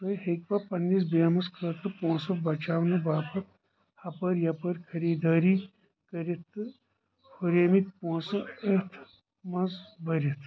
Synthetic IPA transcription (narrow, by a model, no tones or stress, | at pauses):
t̪ɐɦekpɐpɐnːis̬baːmɐskʰɐt̪ʰɨpõːsɐbɐt͡ʃaːʋnɐbaːpɐt̪ | hɐpɐɾjɐpɐɾkʰɐɾiːd̪ʱaːɾi | kɐɾit̪ | pʰuɾeːmit̪̚põːsɐɐt̪ʰ | mɐzbɐɾit̪ʰ